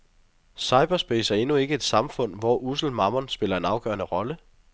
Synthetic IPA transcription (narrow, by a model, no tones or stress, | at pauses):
sɑ̈ɪb̥ɐsb̥esæɐe̝nue̝ɡ̥əe̝d̥sɑ̈mfɔ̽n̰ʋɒʔusl̩mɑ̈mɐnsb̥e̝lɐe̝nɑ̈ʊɡ̥ɶ̰ːɐnəʁɒ̽lə